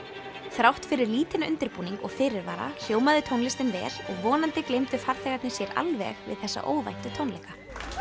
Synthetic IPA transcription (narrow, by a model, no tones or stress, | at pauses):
θɾawht̪fɪɾɪɾliːt̪ɪnʏnt̪ɪɾpuːniŋkɔɣfɪːɾɪɾvaːɾa̰çoːwmaðɪt̪ʰownlɪst̪ɪnvɛ̰ːɾ̥ɔɣvɔːnant̪ɪklejmt̪ʏfaɾ̥θɛɣat̪nɪsjɛɾa̰lvɛ̰ɣvɪ̰ðθɛsːa̰ʔoːwva̰jht̪ʏt̪ʰownlejka